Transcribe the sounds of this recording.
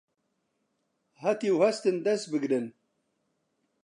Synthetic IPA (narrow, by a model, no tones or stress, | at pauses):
hat̪iwhɛst̪ɨnd̪ɛst̪̚bɨɡɾɨn